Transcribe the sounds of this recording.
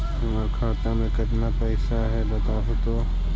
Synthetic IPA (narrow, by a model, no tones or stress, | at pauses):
ʊməɾkʰaːt̪ãmẽkɐt̪napɛːɪsaɦɛbɐt̪aːɦot̪oː